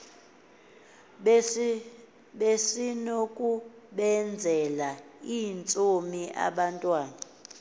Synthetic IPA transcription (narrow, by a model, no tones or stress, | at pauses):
ɓesinokʼuɓɛnd͡zʱɛlaint͡sʼomiʔa̰ɓantʼwaːna